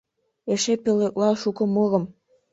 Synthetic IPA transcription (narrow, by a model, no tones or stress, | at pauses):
eʃepelek̚lɑʃukɤ̆moɣə̆m